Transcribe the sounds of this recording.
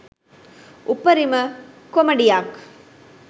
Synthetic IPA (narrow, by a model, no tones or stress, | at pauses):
ʔupːɐɾimɐ | komɐɖijak